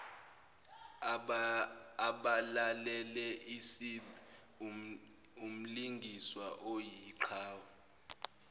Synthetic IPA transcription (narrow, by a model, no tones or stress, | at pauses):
aɓalalɛlɛisi | um̩liŋɡʱiswaʔojiǀʰaːwa